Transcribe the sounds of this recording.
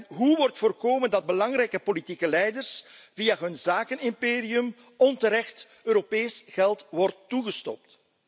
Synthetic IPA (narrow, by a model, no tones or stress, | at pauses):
nɦuʋɔrtfoːrkoːməndɑd̚bəlɑŋrɛjkəpolitikəlɛjdərsvijaːɦɵnzaːkənɪmpeːɾiɵm | ɔntəɾɛxt | øːɾopeːjsɣ̥ɛlˠtʋɔrtːuɣəstɔ̰p̚t